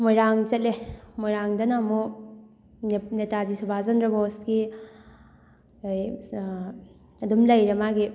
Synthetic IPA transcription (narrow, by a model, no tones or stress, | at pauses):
mojɾaŋzɐt̚lemojɾaŋdɐnamo | netazisubʱazɔnɾɐbosɡi | j | ɐdumlɐjɾemaɡi